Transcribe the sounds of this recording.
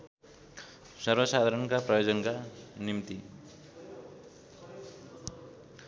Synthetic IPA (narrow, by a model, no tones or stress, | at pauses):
sʌrbʌsad̪ʱaɾʌnkaprʌjod͡zʌnkanimt̪i